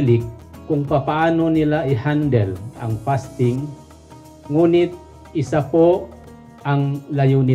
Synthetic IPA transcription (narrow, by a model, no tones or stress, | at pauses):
likːuŋpapaːnunilaihandɛla̰ŋpast̪iŋː | unit̪̚ | isapo | aŋlajuni